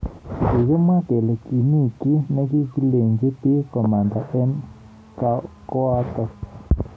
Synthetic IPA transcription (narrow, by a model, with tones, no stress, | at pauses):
i˨ɣe˦m˦ã˦t̪e˨le˨ki˨nĩ˦˨ki˦nẽ˧˦ki˦pi˧le˨ŋɡe˦pi˦ko˨mã˨nd̪a˨ʔe˦n | ka˦ko˦a˧t̪a˧